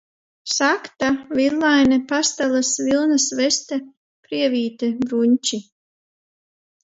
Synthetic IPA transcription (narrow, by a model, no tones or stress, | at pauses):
sakt̪avilˠːajnɛpast̪alasvilˠnasvɛst̪ɛ | pɾiɛviːt̪ebɾuɲʲt͡ʃi